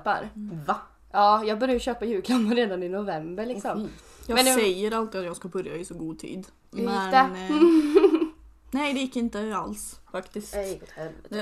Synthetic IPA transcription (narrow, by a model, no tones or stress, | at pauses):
pa̰ɾv | ʔɑːjɑːɡ̚bœɾjaɕøːpajʉ̟ːkʰlamɾeːd̪anɪnʊvɛmbəɭɪksɔm | jɑːmɛnɡ̪sɛjːəɾalt̪ɪat̪jɑːɡskabœɾjaɪsɔɡuːt̪ʰḭːd̪ | mɪɛɛ | nɛɪd̪ɛjɪkːɪnt̪əalsfakt̪ɪsk̪hɛɛ